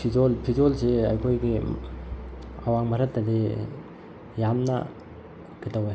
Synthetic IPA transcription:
pʰizolpʰizolseajkʰojɡi | awaŋmaɾɐtːɐdi | jamna̰ | ɡitawe

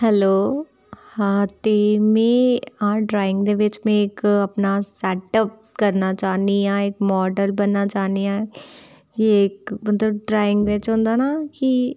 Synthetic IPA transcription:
hɛloː | hãt̪eːmẽːãːɖɾaːɪ̃ŋɡd̪eʋɪt͡ʃmẽɪkɐpnasɛːʈəp̚kəɾnat͡ʃaːniãːɪkmɔːɖəlbənːat͡ʃaːniãː | jekmət̪ləb̚ɖɾaːɪ̃ŋɡʋɪt͡ʃɦõːnd̪aːnaki

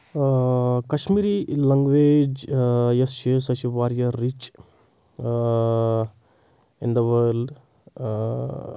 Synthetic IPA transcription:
kɐʃmiːɾilɐŋɡʋeːd͡ʒjest͡ʃisɐt͡ʃiʋaːɾjɐɾit͡ʃ | ɪnd̪ɐʋəɾlɖ

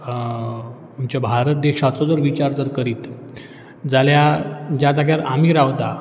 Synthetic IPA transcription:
mt͡ɕabʱaɾət̪̚d̪ekat͡sɔd͡zəɾʋit͡ɕaɾd͡zəɾkəɾiːt̪ | d͡zaljad͡ʑjad͡zaɡjaɾam̤iːɾaʋt̪a

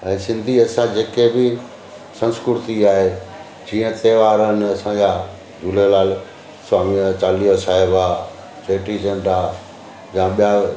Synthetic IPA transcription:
ɛ̃ːsɪ̃nd̪ʱiɐsãd͡ʑeːkebɪ | sɐ̃nskɾʊɾt̪iaːɦe | d͡ʑĩːə̃t̪eːʋaːɾənɪ̆ɐsãd͡ʑa | d͡ʑuːlelaːl | saːmiət͡ɕaːliosaːɦɪba | t͡ɕeːʈisɐ̃ɳɖa | jãɓija

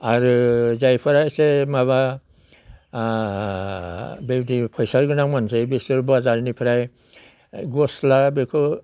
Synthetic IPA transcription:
aɾɯzajpʰaɾajsemaβa | bewdipʰɔjsaɾɡɯnaŋmansebesɯɾbazaɾnipʰaɾaj | ɡɔslabekʰɯ

